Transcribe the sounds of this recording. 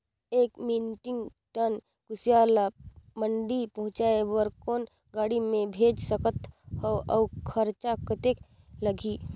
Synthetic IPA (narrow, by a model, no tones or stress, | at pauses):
eːkmiːnʈɪ̃ŋɡ | ʈən | kʊsijalaməɳɖipɐɦʊ̃t͡ʃaewəɾkoːn | ɡaːɽimẽbʱeːd͡ʒsəkət̪hoʔɐːkʰəɾt͡ʃakət̪ek | ləɡʱiː